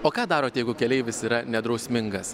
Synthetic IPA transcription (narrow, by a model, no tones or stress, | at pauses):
oːkɑːd̪ɑːɾoːt̪ʲjɛɪɡʊkʲɛlʲɛɪʋʲɪsiːɾɐnʲɛd̪ɾɒʊsʲmʲɪŋɡɐs